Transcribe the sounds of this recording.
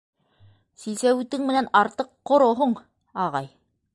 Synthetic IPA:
sisæwʉt̪ɘŋmɘ̆nænɑɾt̪ɤqːŏɾŏɦoɴ | ɑʁɑj

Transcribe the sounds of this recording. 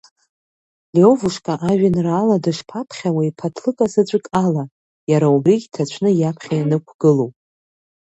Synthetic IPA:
lio̞vuʂkʼaʔaʒᶣɪnraːladɨʂpʰapʰχʲawaipʰatʰlɨkʼasɨt͡ɕʷʼɨkʼala | jaɾaubriɡʲtʰat͡ɕʷʰnɨjapʰχʲajanɨkʷʰɡ̥ɨlowpʼ

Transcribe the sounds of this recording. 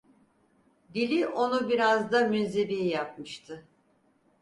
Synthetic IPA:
d̪ilʲiʔo̞nubiɾazd̪amynzebijijap̚mɯʃt̪ʰɯ

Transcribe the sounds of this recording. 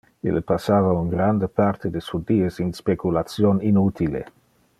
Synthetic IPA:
ḭlepasaːvaunɡɾand̪epart̪ed̪esud̪iːesinspekulat̪sjoninut̪ilḛ

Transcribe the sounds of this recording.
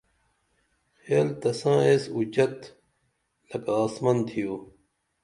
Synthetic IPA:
xeːlt̪ɐsãːesut͡ɕɐt̪ | lɐkaːsmɐnt̪ʰijuː

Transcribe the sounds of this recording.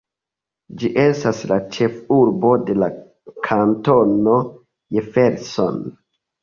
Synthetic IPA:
d͡ʒiʔe̞staslat͡ʃe̞fuɾbo̞de̞la | kʰantono | jefeɾso̰n

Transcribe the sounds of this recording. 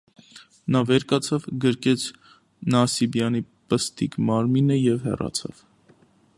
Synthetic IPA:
nɑvɛɾkɑt͡sʰɑvɡəɾkɛt͡sʰ | nɑsibjɑnipəst̪ikmɑɾminəjɛvhɛ̰rɑ̰t͡sʰɑ̰v̥

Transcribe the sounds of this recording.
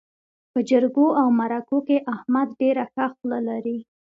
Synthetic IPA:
pəd͡ʒəɾɡoʔawmaɾakokeʔahmad̪ɖeɾaxaxlalaɾi

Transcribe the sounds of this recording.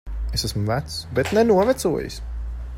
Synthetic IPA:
esæsmvæt̪sbɛt̪nɛnuɔvæt̪suɔjɪ̰s

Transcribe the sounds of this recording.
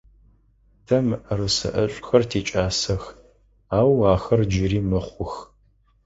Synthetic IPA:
tʰɐmrɨsɐ̰ʔɐɕʷʼxɐrtʰeːt͡ʃʼaːsɐx | aːwaːxɐrd͡ʒɪriːmɨχʷʊx

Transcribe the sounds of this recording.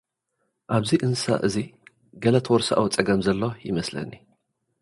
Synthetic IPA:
ʔaβziʔɨnsa̰ʔɨzi | ɡɐlɐt̪ʰwɔɾsa̰ʔawut͡sʼɐɡɐmzɐlːojɪmɐslɐ̰nːi

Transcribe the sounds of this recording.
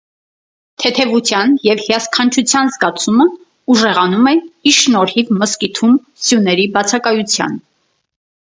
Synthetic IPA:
t̪ʰɛt̪ʰɛvut͡sʰjɑnjɛvhjɑskʰɑnt͡ʃʰut͡sʰjɑnzɡɑt͡sʰumə | uʒɛʁɑnumɛiʃnɔɾhivməskit̪ʰum | sjunɛɾibɑt͡sʰɑkɑjut͡sʰjɑ̰n

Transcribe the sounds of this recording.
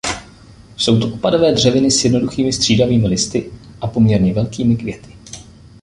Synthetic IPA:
so̞wt̪oʔopado̞vɛːdr̝ɛvɪnɪsjɛdno̞duxiːmɪst̪r̥iːdaviːmɪlɪst̪ɪʔapo̞mɲɛɾɲɛvɛlkiːmɪkvjɛt̪ɪ̥

